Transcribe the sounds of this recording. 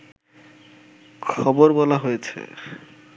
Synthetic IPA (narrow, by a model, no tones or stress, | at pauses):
kʰɔboɾbɔlaɦojet͡ɕʰḛ